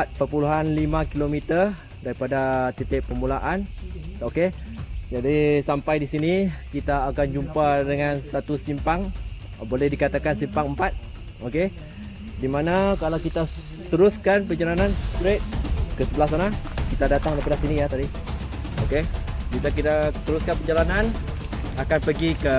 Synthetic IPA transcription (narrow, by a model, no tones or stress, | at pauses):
at̪̚pərpuluɦanlimãkilomit̪ər | daɾipadat̪ət̪ɛʔpəmulaʔanoked͡ʒadisampajdisinikit̪aːkand͡ʒumpadəŋansat̪usimpaŋ | bolɛhdikat̪akansimpaŋəmpat̪̚ | oke | dimanakalawkit̪a | t̪əɾʊskanpəd͡ʒalanãnst̪ɾet̪̚kəsəbəlasanakit̪adat̪aŋlapəɾasinijat̪adi | okekit̪ak̬iɾat̪əɾuskanpəd͡ʒalanan | akanpəɡikə